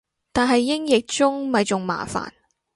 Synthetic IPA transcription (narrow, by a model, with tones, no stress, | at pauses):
t̪aː˨nɦɐ˨jːɪ˥ŋjɪ˨k̚t͡sʊ˥ŋmɐ˨jt͡ʃʊ˨ŋma̰ː˨fa̰ː˨˩n